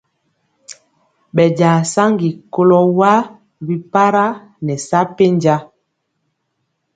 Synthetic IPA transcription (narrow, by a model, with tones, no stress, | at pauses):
ɓɛ˨ɟa˨sa˦ŋɡi˨ko˦lɔ˦wa˦ | bi˦pa˦ɾa˦ | nɛ˨sa˦pe˦ɲd͡ʒa˦